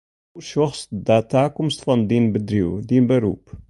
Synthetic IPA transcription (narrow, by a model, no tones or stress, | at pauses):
uʃɔχsd̪æt̪ːakʊmst̪fɔnd̪inbəd̪ɾḭwd̪inbəɾṵp